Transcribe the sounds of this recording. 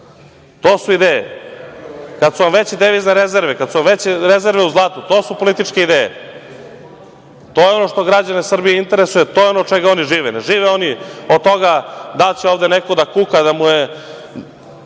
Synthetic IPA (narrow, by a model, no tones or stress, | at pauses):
t̪o̞ːsuid̪eːjḛ | kad̪suʋamʋet͡ɕid̪eʋizneɾezeɾʋekad̪suʋamʋet͡ɕɾeze̞ɾʋeuzlˠat̪ut̪oːsupo̞lit̪it͡ʃkeid̪eːjḛ | t̪ojeo̞no̞ʂt̪o̞ɡɾad͡ʑanesr̩bijeint̪e̞ɾesujet̪ojeo̞not͡ʃeɡao̞niʐiːʋeneʒiːʋeo̞niod̪̚t̪o̞ɡad̪alt͡ɕeoːvd̪enekod̪akukad̪amuje